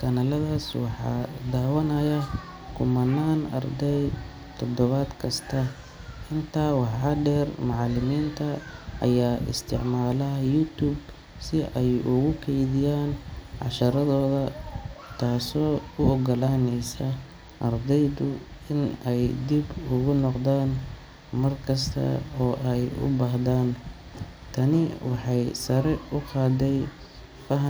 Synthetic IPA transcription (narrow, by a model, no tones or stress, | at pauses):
kʰɐnaːlɐðaːswɑħɑ̰ːd̪aːwɐnɐjɐ | kʰʊmɐnaːnɐ̰rd̪ɛj | t̪ʰɔd̪ɔβaːd̪kʰɐst̪ʰɐ | ʔɪnt̪ʰaːwɑħɑd̪ɛːrmʊʕɑlɪmiːnt̪ʰɐʔɐ̰jaːʔɪ̰st̪ʰɪ̰ʕmaːlɐjut̪ʰuːb | sɪʔɛjʊɣʊkʰɛjðɪjaːnʕɑ̰ʃɐɾɐðɔːðɐt̪ʰaːsɔːʊɔɡɔlaːnɛjsɐ | ʔɐrd̪ɛjd̪ʊɪnɛjd̪ibʊɣʊnɔqd̪aːn | mɐrkʰɐs̬t̪ʰɐ̰ɔːʔɛjʊ̰baːɦðaːn | t̪ʰɐnɪwɑħɑjsɐɾɛʊqɑːd̪ɛj | fɐɦ